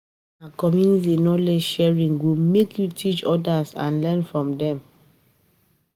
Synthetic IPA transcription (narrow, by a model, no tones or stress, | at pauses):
akɔmjunitenɔtlɛd͡ʒʃɛɹĩŋɡomekʰjutʰit͡ʃɔdasã̰nlɛnfɹɔ̃mdɛ̃m